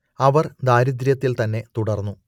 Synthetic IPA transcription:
ɐʋɐrd̪aːɾid̪ɾjɐt̪ːilt̪ɐnːe̞t̪uɽɐrnːu

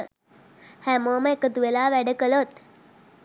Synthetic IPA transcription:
hæːmoːməekət̪uʋelaːʋæɖəkəlot̪

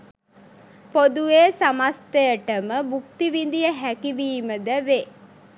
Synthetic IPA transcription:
pod̪ueːsamast̪əjəʈəməbukt̪iʋind̪ijəɦækiʋiːməd̪əʋe

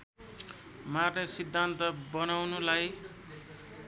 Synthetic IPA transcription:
marnʌsid̪ʱːant̪ʌbʌnawnulaj

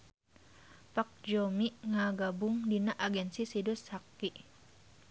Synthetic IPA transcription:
pak̚d͡ʒɔmiʔŋaɡabʊŋdinaʔaɡɛnsisidʊshakːiʔ

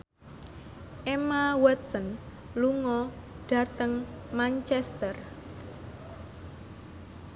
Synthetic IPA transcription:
ʔemawɛt̪̚sən | luŋɔ | ɖ̥ä̤t̪əŋ | mant͡ʃɛst̪ər

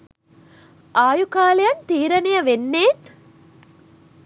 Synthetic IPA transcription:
ʔaːjukaːlejɐnt̪iːɾɐnejəʋenːeːt̪

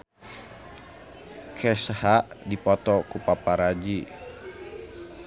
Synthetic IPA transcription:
kʰɛshaʔdipɔt̪ɔkupapaɾad͡ʒi

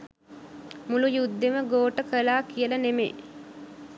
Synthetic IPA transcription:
mulujud̪ːeməɡoːʈəkəlaːkijələnemḛː

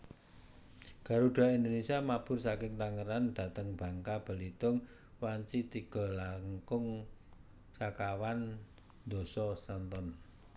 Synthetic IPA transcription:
ɡ̥a̤ɾuɖ̥a̤ind̪onesiamab̥ʊ̤rsakɪŋt̪aŋəɾand̪̥a̤t̪əŋb̥a̤ŋkab̥ə̤lit̪ʊŋ | waɲt͡ʃit̪iɡ̥ɔ̤laŋkʊŋ | sakawan | d̪̥o̤sɔsant̪ɔn

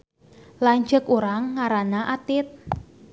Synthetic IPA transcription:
laɲd͡ʒəkuɾaŋːaɾanaʔat̪ɪt̪̚

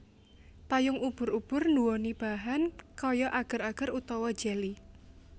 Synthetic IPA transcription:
t̪ajʊŋub̥ʊ̤ɾub̥ʊrnduwɔnib̥a̤ɦankɔjɔʔaɡ̥ə̤ɾaɡ̥ə̤ɾut̪ɔwɔd̥d͡ʒ̥eli

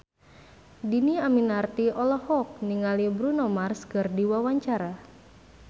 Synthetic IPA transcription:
diniaminart̪iɔlɔhɔk̚niŋalibɾunɔmarskɨrdiwawaɲt͡ʃaɾa

